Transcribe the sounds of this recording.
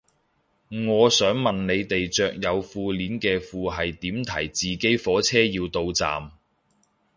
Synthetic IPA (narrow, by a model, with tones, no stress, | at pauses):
ŋɔː˨˧sœː˨˥ŋmɐ˨nne˨˧jt̪e˨jt͡ʃœː˨k̚jɐ˨˧wfuː˧liː˨˥nkɛː˧fuː˨ɦɐ˨jt̪iː˨˥mt̪ʰɐ̰˨˩jt͡siː˨ke˨˥jfɔː˨˥t͡sʰɛː˥jiː˧wt̪o˧wt͡sa̰ː˨m